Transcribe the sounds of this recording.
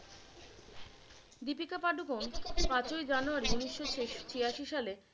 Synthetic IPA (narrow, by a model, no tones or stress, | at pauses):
d̪ip̬ikapaɖukonpãt͡ɕoed͡ʑanuaɾiuniʃːot͡ɕeʃt͡ɕiaʃiʃale